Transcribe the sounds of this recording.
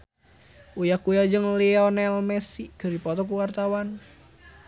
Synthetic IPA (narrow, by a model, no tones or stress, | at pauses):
ʔujahkujad͡ʒəŋliɔnɛlmɛsikəripɔt̪ɔk̬uwart̪awan